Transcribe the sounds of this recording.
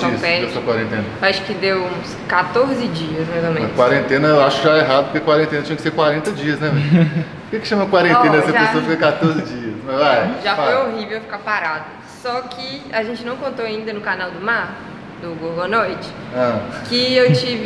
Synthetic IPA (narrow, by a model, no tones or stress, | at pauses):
ispɛd̪esokwaɾẽnt̪ẽnɐaʃʊ̥kɪd̪ewũskat̪oɾzɪd͡ʒiɐsmezɐmẽkwaɾẽnt̪ẽnɐewaʃʊkʒaeɦad̪pʊɾkeɐkwaɾẽnt̪ẽnɐt͡ʃĩɲɐkɪ̥seɾkwaɾẽnt̪ɐd͡ʒiɐsnɛvɛ | ʊkekʃɐ̃mɐkwaɾẽnt̪ẽnɐd̪ɛsɐpesoɐfikkat̪oɾzɪd͡ʒiɐsmɐzajʒafojoɦivewfi̥kapaɾad̪ʊ | sɔkʰɪaʒẽnt͡ʃɪnɐ̃w̃kõnt̪oaĩd̪ɐnʊkanawd̪ʊmaɾ | d̪ʊɡoɡonojt͡ʃɪ̥ | ɐ̃kɪewt͡ʃivɪ